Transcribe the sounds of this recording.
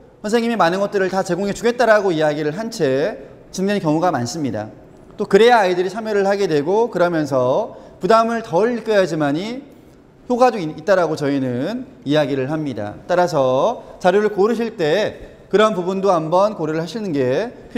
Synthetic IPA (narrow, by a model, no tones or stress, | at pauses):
çjʌnsʰe̞ŋɲimimanɯnɡʌt̚t͈ɯɾɯɭtat͡ɕe̞ɡoŋet͡ɕuɡe̞t̚t͈aɾaɡoijaɡiɾɯɭɦant͡ɕʰe̞ | t͡ɕuŋnenkjʌŋuɡamans͈ɯmɲida̰ | t͈okɯɾe̞jaaidɯɾit͡ɕʰamjʌɾɯɭhaɡe̞dwe̞ɡokɯɾʌmjʌns̬ʰʌ | pudamɯɭtʌɭk͈ɯjad͡ʑimaɲi | çjoɡadoiit̚t͈aɾaɡot͡ɕʌinɯnijaɡiɾɯɭɦamɲida̰t͈aɾas̬ʰʌt͡ɕaɾjoɾɯɭkoɾɯɕʰiɭt͈e̞ | kɯɾʌnpubundoambʌnkoɾiɾɯɭhaɕʰinɯnɡe̞pʰ